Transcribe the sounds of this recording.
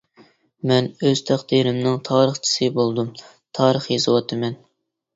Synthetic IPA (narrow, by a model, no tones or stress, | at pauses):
mɛnøz̥t̪ʰæχd̪̥iɾɪmnɪŋt̪ʰɑːɾəχt͡ʃʰi̥sɨbolˠd̪um | t̪ʰɑːɾəχjezɨwɑt̪ʰɨmɛn